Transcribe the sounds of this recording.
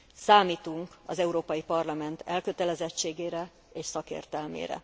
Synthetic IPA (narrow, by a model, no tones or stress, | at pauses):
saːmiːt̪uŋkɒ̰zɛuɾoːpɒjipɒrlɒmɛnt̪ʰɛlkøt̪ɛlɛzɛt͡ʃːeːɡeːɾɛ | eːʃsɒkḛːrt̪ɛlmḛːɾɛ̰